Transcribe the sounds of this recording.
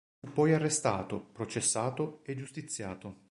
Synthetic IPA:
fupːɔjarːest̪aːt̪opɾot͡ʃesːaːt̪oed͡ʒust̪it̪sːjaːt̪o

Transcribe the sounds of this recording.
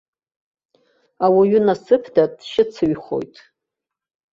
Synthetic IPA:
awaɥʏnasɨpʰdatʼʃɪt͡sʰɨɥχo̞̰jtʼ

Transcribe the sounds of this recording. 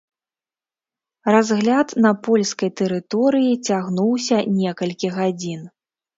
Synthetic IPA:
razɣlʲat̪nɐpɔlʲskɐjt̪ɛɾɨt̪ɔɾɨjit͡sʲaɣnuwsʲɐnʲɛkɐlʲkʲiɣad͡zʲin

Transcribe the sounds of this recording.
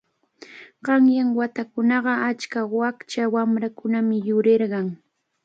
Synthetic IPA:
ɢ̥ɑŋjaŋwat̪akʊnɑɢɑat͡ʃkawakt͡ʃawamɾakʊnamɪjʊɾeɾɢɑŋ

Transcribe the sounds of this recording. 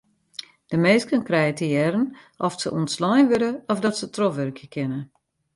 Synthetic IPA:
d̥əmeːskənkrɛjətəjɛɾənʔɔfsə̰ʔuntslɔjnʋøɾəɔfdɔtsətʰrɔfʋørkʰjəkʰɪnə

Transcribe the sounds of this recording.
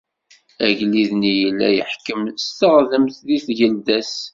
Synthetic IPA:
æʝliðnijəlːæ̰jə̰ħkəmst̪əʁðəmθðiθʝəld̪æs

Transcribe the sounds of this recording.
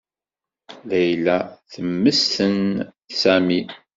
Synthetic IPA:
læjlæθəmːəsθən | sæmi

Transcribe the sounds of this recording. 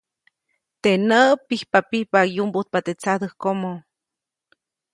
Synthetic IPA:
t̪enəʔpihpapihpajumbut̪̚pat̪et͡sad̪əhkomo

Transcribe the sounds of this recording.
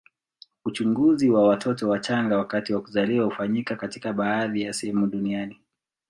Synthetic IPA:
ut͡ʃuŋɡuziwawatʰɔtɔwat͡ʃaŋɡawakatiwakuzaliwahufaɲikakatikaɓaaðijasɛhɛmuɗuniani

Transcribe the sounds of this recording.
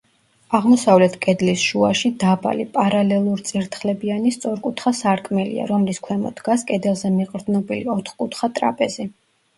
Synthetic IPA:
aʁmɔsavlɛt̪ʰkʼɛd̪lisʃuaʃid̪aba̰lipʼaɾalɛlˠuɾt̪sʼiɾt̪ʰχlɛbianist̪sʼɔɾkʼut̪ʰχasaɾkʼmɛlḭa̰ɾɔmliskʰwɛmɔ̰d̪̥ɡaskʼɛd̪ɛlˠzɛmiqʼɾd̪nɔbiliɔt̪ʰχkʼut̪ʰχat̪ʼɾa̰pʼɛzi

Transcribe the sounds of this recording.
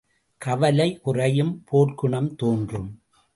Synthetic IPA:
kɐʋɐlɐɪʔʊrɐjɯmpʰoːʈkʊɳɐmt̪oːndrɯm

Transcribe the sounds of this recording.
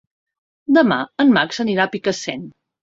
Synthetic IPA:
d̪əma̰ənmaksəniɾapikəsɛ̰n

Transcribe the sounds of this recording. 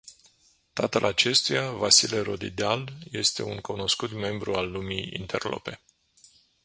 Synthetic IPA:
t̪at̪əlʔat͡ʃe̞st̪ujavasileɾo̞d̪id̪alje̞st̪e̞̰uŋkuno̞skut̪me̞mbɾualːumijḭnt̪ʰe̞rlo̞̰pe̞

